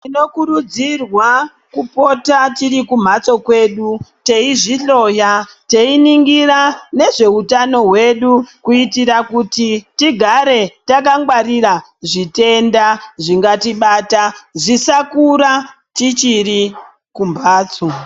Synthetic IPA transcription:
tino̞kuɾud͡zirwa | kupo̞tatirikum̤at͡so̞kwe̞ɗute̞iʐiɬo̞ja | te̞iniŋɡirane̞ʐe̞utano̞ɦwe̞ɗukuitiɾakutitiɡʱaɾe̞takaŋɡwaɾira | ʐite̞ndaʐiŋɡatiɓaːtaʐisakuɾa | tit͡ʃiri | kumbaːt͡so

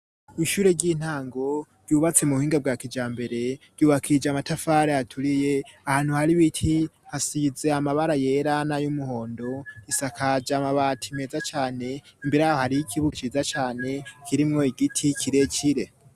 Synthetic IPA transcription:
iʃuːɾe̞ɟiːn̥haːŋɡo̞ɾ̥ɟuːβat͡semuuhiːŋɡab̚ɡaːkid͡ʒaːmbe̞ɾe̞ɾ̥ɟ̥uːβakʰid͡ʒamatafaːɾeatʰuɾije̞ahaːn̥huhaɾiβitʰihasize̞amaβaɾaje̞ɾanajumuho̞ːndo̞isakʰad͡ʒamaβatʰime̞ːzat͡ʃaːne̞imbiɾajahohaɾiikʰiβut͡ʃizat͡ʃaːne̞kʰiɾimŋo̞iɡitʰikʰiɾe̞t͡ʃiɾe̞

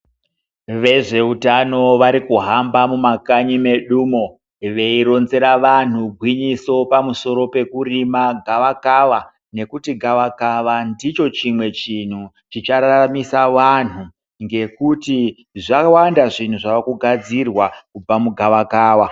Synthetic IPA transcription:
ʋe̞ʐe̞utano̞ʋaɾikuɦambamumakaɲime̞ɗuːmo | ʋe̞iɾo̞nze̞ɾaʋan̤uɡʱwiɲiso̞pamuso̞ɾo̞pe̞kuɾimaɡʱaʋakaʋa | ne̞kutiɡʱaʋakaʋandit͡ʃo̞t͡ʃimwe̞t͡ʃin̤u | t͡ʃit͡ʃaɾamisaʋan̤u | ŋɡe̞kuti | ʐakawandaʐin̤uʐaʋakuɡʱad͡zirwakub͡vamuɡʱaʋakaːwa

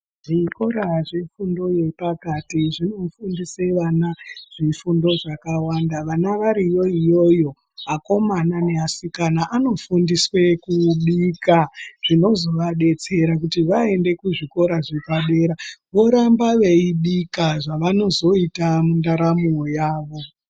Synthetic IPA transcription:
ʐiko̞ɾaʐefundo̞je̞pakatiʐino̞fundiseʋanaʐ̥ifundo̞ʐakawandaʋanaʋaɾijo̞ijo̞jo̞ | ako̞manane̞asikanaʔano̞fundiswe̞kuɗikaʐ̥ino̞zo̞ʋaɗe̞t͡se̞ɾakutiʋae̞nde̞kuʐiko̞ɾaʐekaɗe̞ɾaʋo̞ɾambaʋe̞iɗikaʐaʋano̞zo̞itamundaɾamojaːʋo̞

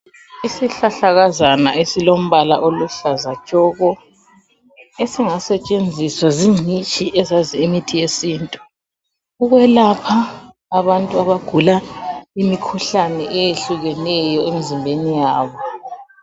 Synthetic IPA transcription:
isiɬaɬaɣazana̰ʔesilom̩βalaʔoluɬazḁt͡ʃʼɔɣɔ | esiŋasɛt͡ʃʼend͡zʱiswaziŋ͡ǀʱit͡ʃʼiʔɛzaziimitʰijesiːntʼu | uɣwɛlapʰaː | βantʼuaβaɡ̥ʱulaimikʰuɬanɛ̰ʔejeɬuɣɛnɛjɔem̩zimbʱenijaːβɔ

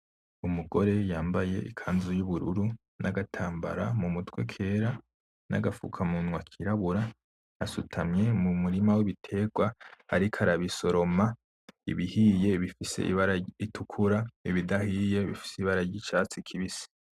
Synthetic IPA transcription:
umuɡo̞ɾe̞jaːmbaje̞ʔḭkʰaːnzujuβuɾuɾu | nʔaɡatʰaːmba̰ɾamumutwe̞kʰe̞ːɾa | nʔa̰ɡafṵkʰamunwakʰiɾaβuɾa | asutʰamɲe̞mumuɾimawiβitʰe̞ːɡwaaɾikʰaɾaβiso̞ɾo̞ma | ḭβihije̞βifise̞̰ʔḭβaɾaitʰukʰuɾaiβidahiːje̞βifi̥siβaɾaɾɟit͡ʃaːt͡sikʰiβisi̥

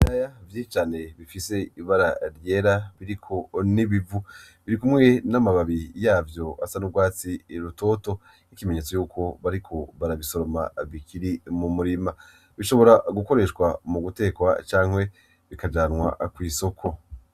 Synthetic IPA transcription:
iɾajavjit͡ʃaːne̞βifise̞iβaɾaɾje̞ːɾaβiɾikʰo̞niβivuβiɾikumŋe̞namaβaβijaːvjo̞a̰sanubɡwaːt͡siɾuto̞to̞ | nikime̞ɲe̞t͡so̞juːkʰo̞βaɾikʰo̞βaɾaβiso̞ɾo̞ma̰βikʰiɾimumuɾima | βiʃo̞βo̞ɾaɡuko̞ɾe̞ʃkwamuɡute̞ːkwa̰t͡ʃaːŋ̥hwe̞ | βikad͡ʒaːnŋwa̰kwiːso̞kʰo̞

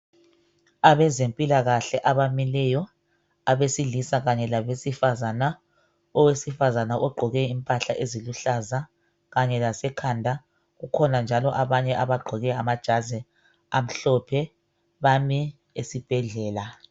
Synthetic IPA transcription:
aβɛzempʼilaɣaɬɛʔaβamilɛjɔ | aβesiɮisaɣaɲɛlaβesifazana | ɔwesifazanaʔɔɡ͡ǃʱɔɣɛimpʼaɬaʔeziluɬaza | ɣaɲɛlasɛkʰandʱa | ɣukʰɔnand͡ʒʱalɔʔaβaɲɛʔaβaɡ͡ǃʱɔɣɛamad̥ʒ̥ʱazɛ | am̩ɬɔpʰɛ | βami | esib̥ʱɛɮɛːla

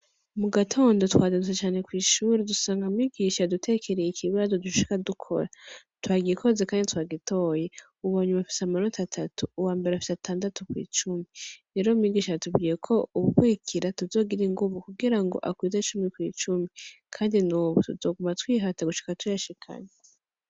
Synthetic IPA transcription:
muɡatʰo̞ːndo̞twaːzenuset͡ʃaːne̞kwiːʃuɾedusaːŋɡammiɡiːʃadutʰe̞ːkʰe̞ɾejikʰiβazo̞duʃʃi̥kadukʰo̞̰ɾa | twaːɡikʰo̞zekaːnditwaːɡitʰo̞ːje | uβaːɲumafi̥seamaɾotatʰatʰuːwaːmbe̞ɾeafi̥seatʰaːndatukwḭːt͡ʃumiɾe̞ːɾo̞miɡiːʃatubɡijekʰo̞uβuɡwiːkʰiɾatuzo̞ːɡiɾiŋɡuvukuɡiɾaŋɡo̞̰ʔakwiːzat͡ʃumikwḭːt͡ʃumikʰaːndinuːβutuzoːɡumatwiːɦataɡuʃi̥katujaʃikʰa̰ɲe

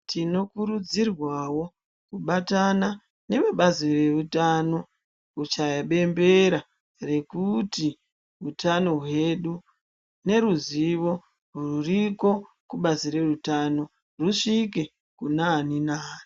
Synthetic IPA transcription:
tino̞kuɾud͡zirwawo̞ | kuɓatana | ne̞ʋeɓazire̞rutano̞ | ut͡ʃajaɓe̞mbe̞ɾa | re̞kuti | ɦutano̞ɦwe̞ɗu | ne̞ɾuziʋo̞ | ruuriko̞ | kuɓazire̞rutano̞ | ruʂike | kunaːninaːni

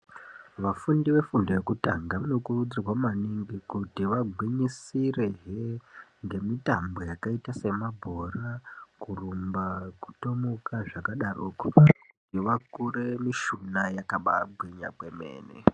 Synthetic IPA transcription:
ʋafundiʋe̞fundoje̞kutaŋɡaʋano̞kurud͡zirwamaniŋɡikutiʋaɡʱwiɲisireɦeŋɡe̞mitambo̞jakaitase̞mabʱorakurumbaku̥to̞mokaʐakaɗaruːkwḁkutiʋakuremiʃunajakaɓa̰bʱwiɲa̰bwe̞mḛːnḛ

